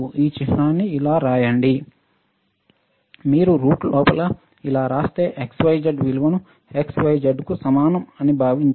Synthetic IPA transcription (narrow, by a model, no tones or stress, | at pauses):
uiːt͡ʃitɾaːnːiːlaːɾaːjɐɳɖi | miːɾuɾuːʈlɔːpɐlɐ | ilaːɾaːst̪e̞ːʔeksʋɐjd͡ʒɐɖʋilʋɐnu | eksʋɐjd͡ʒɐɖkusɐmaːnɐmɐnibʱaːʋiɲt͡ʃ